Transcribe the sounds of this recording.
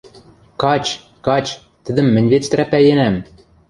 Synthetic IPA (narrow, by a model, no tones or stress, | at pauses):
kɑt͡ɕ | kɑt͡ɕ | t̪ɘ̆d̪ɘ̆mːɘ̆nʲvet͡st̪̆ɾæpæjĕnæm